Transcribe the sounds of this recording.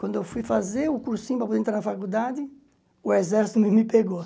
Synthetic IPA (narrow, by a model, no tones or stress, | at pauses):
kwɐ̃nd̪ʊewfujfazeɾʊkuɾsĩɲʊpɾɐpod̪ẽt̪ɾaɾnɐafakud̪ad̪ɪ | ʊezɛɾsi̥t̪ʊmɪmɪpeɡo